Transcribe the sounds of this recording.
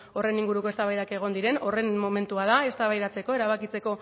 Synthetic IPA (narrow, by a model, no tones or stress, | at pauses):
o̞re̞niŋɡuɾuko̞e̞st̪aβajðake̞ɣ̞o̞nd̪iɾe̞no̞re̞nmo̞me̞nt̪uað̞ae̞st̪aβajðat͡se̞ko̞e̞ɾaβ̞akit͡se̞ko̞